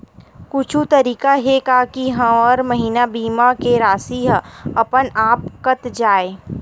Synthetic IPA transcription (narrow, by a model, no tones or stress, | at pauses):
kʊt͡ʃʰut̪ɐɾiːkaɦekakiɦɐ̃ɔːɾmɐɦiːnabiːmakeɾaːsiɦɐpənaːpkət̪d͡ʒaːeː